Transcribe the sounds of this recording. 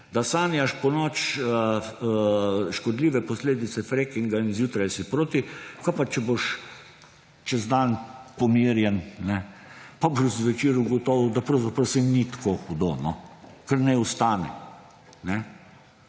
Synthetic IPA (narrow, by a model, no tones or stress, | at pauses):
d̪asaːnijaʃpɔnɔt͡ʃə | ʃkɔd̪liːʋɛpɔsleːd̪it̪sɛfɾekiŋɡainzjuːt̪ɾajsipɾoːt̪ikapat͡ʃɛboʃ | t͡ʃɛzd̪anpɔmiːɾjɛnnɛpaboʒzʋɛt͡ʃiːɾuɡɔt̪ɔʋwd̪apɾɐwzapɾɐwsɛnit̪koxud̪onɔkəɾnɛust̪aːnɛ̰ | nɛ